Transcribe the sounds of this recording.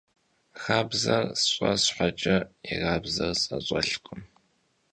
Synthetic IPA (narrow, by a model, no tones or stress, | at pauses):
xaːbzɐrsɕʷʼɔsħʷat͡ʃʼɐiʁaːbzɐrsʼɐɕʷʼɔɬkʷʼʊm